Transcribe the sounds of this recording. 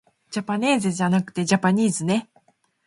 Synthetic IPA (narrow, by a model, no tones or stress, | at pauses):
d͡ʑapaɲ̟ʲeːzɨd͡ʑanakɯ̟̥t̪e̞ʑapaɲ̟iːzɨne̞